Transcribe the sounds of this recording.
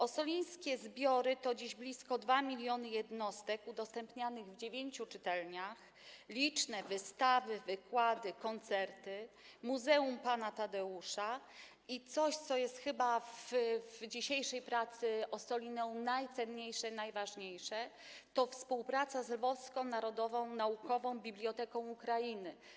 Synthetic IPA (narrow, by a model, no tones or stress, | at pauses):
ɔsɔlʲij̃skʲɛzbʲjɔɾɘt̪ɔd͡ʑiʑblʲiskɔd̪vamʲilʲjɔnɘjɛd̪nɔst̪ɛkud̪ɔst̪ɛmpɲanɘɣvd͡ʑevʲjeɲt͡ɕut͡ʂɘt̪ɛlɲax | lʲit͡ʂnɛvɘst̪avɘvɘkwad̪ɘkɔnt̪sɛɾt̪ɘ | muzɛumpanat̪ad̪ɛuʂa | it̪sɔɕt̪sɔjɛst̪xɘbavvd͡ʑiɕejʂɛjpɾat̪sɘɔst̪ɔlʲinɔ̃w̃najt̪sɛnɲejʂɛnajvaʐɲejʂɛ | t̪ɔfspuwpɾat̪sazlvɔfskɔ̃w̃naɾɔd̪ɔvɔ̃w̃naukɔvɔ̃w̃bʲiblʲjɔt̪ɛkɔ̃w̃ukɾajinɘ